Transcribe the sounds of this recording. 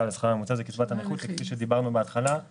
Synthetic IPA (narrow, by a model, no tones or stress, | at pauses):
lesχaʁamut͡sazekit͡svat̪ameχut̪lekfiʃed̪ibaʁnubeat̪χala